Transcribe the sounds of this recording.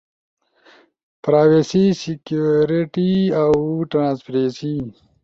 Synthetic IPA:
pɾaːwesisikjuɾiʈiawʈanaspɾesi

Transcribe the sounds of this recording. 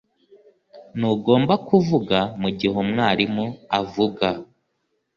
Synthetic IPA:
nuːɡo̞ːmbakuvuɡamuɟiɦomŋaːɾimuavuɡa

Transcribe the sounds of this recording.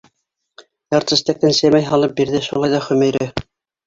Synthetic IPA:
jɑɾt̪ɤ̆st̪ækːænsæmæjɦɑlˠɤp̚biɾðɘʃulˠɑjðɑχɵ̆mæ̆jɾɘ

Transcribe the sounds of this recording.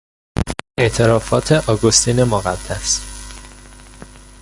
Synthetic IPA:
ʔe̞ʔt̪ʰe̞ɾɒːfɒːt̪ʰe̞ʔɒːɡost̪iːnemoɣæd̪̥ːæs

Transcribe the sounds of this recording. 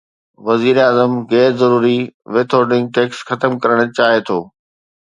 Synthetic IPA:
ʋɐziːɾaːzəmɣɛːɾzɐɾuːɾiʋeːt̪ʰoːɾɖɪ̃ŋɡ̚ʈeːksxɐt̪əmkɐɾəɽ̃ə̆t͡ɕaːɦet̪ʰoː

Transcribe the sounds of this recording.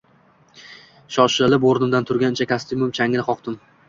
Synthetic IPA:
ʃɒʃɪlɪboɾnɪmd̪ant̪ʰʊɾɡʲant͡ʃʰakʲʰast̪ɪmʊmt͡ʃʰaŋɪlɪqɒqt̪ɪm

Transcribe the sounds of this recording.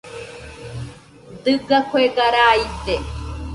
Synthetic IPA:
d̪ɨɡakʰoeɡaɾaːit̪e

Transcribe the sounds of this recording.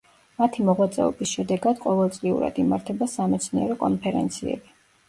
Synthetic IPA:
mat̪ʰimɔʁwat̪sʼɛ̰ɔbisʃɛd̪ɛɡad̪̥qʼɔvɛlˠt̪sʼliṵɾa̰d̪imaɾt̪ʰɛbasamɛt̪sʰniɛɾɔkʼɔnpʰɛɾɛ̰nt̪sʰiɛ̰bi

